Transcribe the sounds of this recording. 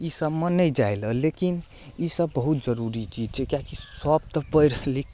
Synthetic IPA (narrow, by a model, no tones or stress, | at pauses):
isəbmenəjd͡ʒajləlekin | isəbːəɦut̪d͡ʒəɾuɾit͡ʃʰid͡ʒt͡ʃʰekjakisəb̚t̪əpəjɾəli